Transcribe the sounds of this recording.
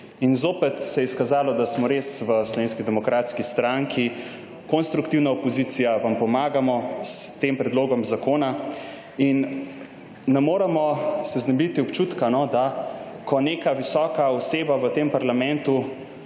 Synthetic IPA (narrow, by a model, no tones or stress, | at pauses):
inzoːpɛt̪sɛjɛskazaːlɔd̪asmɔɾesʋəslɔʋeːnskid̪ɛmɔkɾaːt̪skist̪ɾaŋkʰi | konst̪ɾukt̪iwnaopɔzit̪sijaʋampɔmaːɡamɔst̪empɾɛd̪loːɡɔmzakoːna | inː | ɛmoːɾɛmɔsɛznɛmbit̪iɔpt͡ʃut̪kanɔd̪a | kʰɔneːkaʋisɔːkaɔseːbaʋət̪empaɾlamɛ̃nt̪u